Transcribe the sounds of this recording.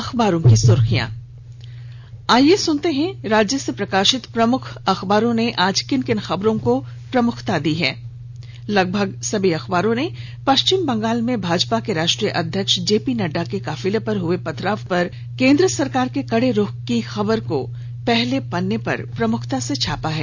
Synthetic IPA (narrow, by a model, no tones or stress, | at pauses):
ɐxbaːɾõkisʊɾxijã̰ː | aːjesʊnt̪eɦɛ̃ɾaːd͡ʒjəsepɾɐkaːʃɪt̪pɾɐmʊkʰɐxbaːɾõneʔaːd͡ʒkɪnkɪnxɐbɾõkopɾɐmʊkʰt̪ad̪iɦɛ̰ː | lɐɡ̚bʱəɡsɐbʱiɐxbaːɾõne | pɐʃt͡ʃɪmbɐ̃ŋɡaːlmẽbʱaːd͡ʒpakeɾaːʃʈɾijəʔɐd̪ʱjəkʃd͡ʒeːpinɐɖakekaːfɪlepɐɾɦʊepɐt̪ɾaːʋpɐɾ | kẽːnd̪ɾəsɐɾkaːɾkekɐɽeɾʊkixɐbəɾko | pɛɦlepɐnːepɐ̰ɾpɾɐmʊkʰt̪aset͡ʃʰaːpaɦɛ̰ː